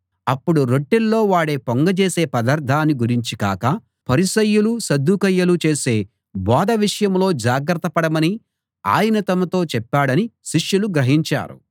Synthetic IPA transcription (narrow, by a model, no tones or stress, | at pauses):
ɐpːuɽuɾoʈːilːo̞ːʋaːɽe̞ːpoŋɡɐt͡ʃeːse̞ːpɐd̪ɐɾd̪ʱːaːniɡuɾiɲt͡ʃika̰ːkɐ | pɐɾisɐjːulusɐd̪ːukɐjːɐlut͡ʃe̞ːse̞ː | bɔːd̪ɐʋiʂɐjɐmlo̞ːd͡ʒaːɡɾɐt̪ɐpɐɽɐmɐni | a̰ːjɐnɐt̪ɐmɐt̪o̞ːt͡ʃɛpːaːɽɐniʃiʂjuluɡɾɐɦiɲt͡ʃa̰ːɾṵ